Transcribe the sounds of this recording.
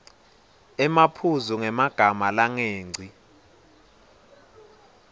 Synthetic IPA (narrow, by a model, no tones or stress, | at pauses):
ɛmapʰuzuŋɛmaɡ̥ʱamalaŋeːŋ͡ǀʱi